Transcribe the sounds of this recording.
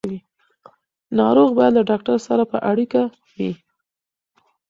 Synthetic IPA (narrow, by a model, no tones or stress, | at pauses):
wi | nɑɾoɣbɑjad̪laɖɑk̚ʈaɾsaɾapəʔaɽika | wi